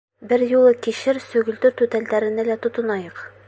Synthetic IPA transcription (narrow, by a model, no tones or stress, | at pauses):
bɘɾjulˠɤkiɕɘɾsɵ̆ɡɵ̆ld̪ɵɾt̪ʉt̪æld̪æɾɘ̆nɘlæt̪ŏt̪ɤ̆nɑjɤq